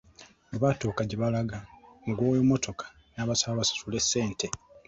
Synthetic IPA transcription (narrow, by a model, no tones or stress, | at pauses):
oβato̞kaɟeβalaɡaŋɡwoːjomotʰo̞kḁ | naːβasaβasḁtule̞sːe̞ːntʰe